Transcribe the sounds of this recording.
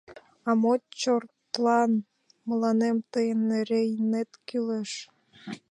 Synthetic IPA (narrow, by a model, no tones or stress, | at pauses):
ɑmot͡ɕort̪lɑn | mə̆lɑnemt̪əjənːeɾejnet̪kyleʃ